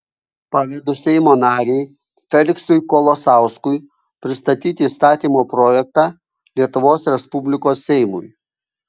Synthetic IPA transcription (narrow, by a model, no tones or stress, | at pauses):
pɑʋʲɛd̪ʊsʲɛɪmoːnɑːɾʲɛɪ | fʲɛlʲɪksʊjkɔlˠosɑˑʊskʊj | pʲɾʲɪst̪ɐt̪ʲiːt̪ʲɪːst̪ɑːt̪ʲiːmoːpɾɔjɛk̚t̪ɑ | lʲiɛt̪ʊʋoːsɾʲɛspʊbʲlʲɪkoːsːʲɛɪmʊ̰j